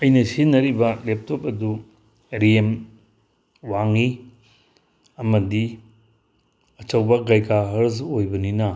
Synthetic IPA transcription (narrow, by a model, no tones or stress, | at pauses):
ɐjnɐsinɐɾibɐlep̚tʰop̚ɐdu | ɾem | waŋi | ɐmɐdi | ɐt͡ʃɐwbɐɡajkaɦɐɾzojbɐninɐ